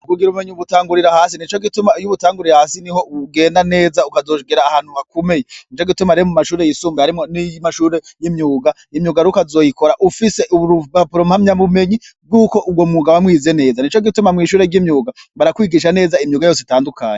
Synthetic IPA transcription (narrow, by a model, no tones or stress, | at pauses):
uɡuɡiɾuumeɲiuuβutaːŋɡuɾiɾahaːsinit͡ʃo̞ɡitumajuβutaːŋɡuɾiɾahaːsiniho̞uɡe̞ːndane̞ːzaukazo̞ːɡiɾaːhaːnhuβakome̞jenit͡ʃo̞ɡitumaɾiomumaʃuːɾe̞jisuːmbehaɾimonimaʃuːɾe̞jimɲuːɡa | imjuːɡaɾukazo̞ːjiko̞ɾaʔufise̞ʔuuɾupapuɾomhamɲaβume̞ɲi | b̚ɡuːko̞ʔub̚ɡo̞muːɡaβamŋwiːze̞ne̞ːzanit͡ʃo̞ɡitumamŋiːʃuːɾe̞ɾɟimɲuːɡaβaɾakwiːɡiʃ̬ane̞ːzaimɲuːɡajo̞ːs̬itaːndukaːɲe